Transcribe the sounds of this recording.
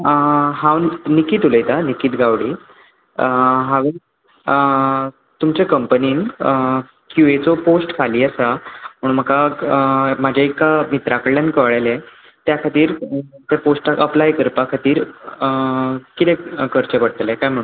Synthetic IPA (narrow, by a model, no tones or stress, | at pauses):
ɦãwnikiːt̪uləjt̪anikiːt̪ɡaʋɽiː | ɦãʋe | t̪umt͡ɕakəmpəniːn | kjuʋet͡sɔposʈkʰaliːəsam̤əɽ̃unm̤əka | mad͡ʑʱaikːamit̪ɾakəɽljankəʋɭale | t̪jakʰat̪iːɾt̪eposʈakəplajkəɾpakʰat̪iːɾ | kit̪ɛ̃kəɾt͡ɕəpəɽ̚t̪əljekajm̤əɽ̃ũn